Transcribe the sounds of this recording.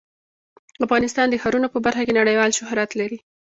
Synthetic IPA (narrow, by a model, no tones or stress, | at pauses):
afɣɑnɪst̪ɑnd̪əxaɾunopəbaɾxakenaɽəjwɑlʃʊhɾat̪laɾi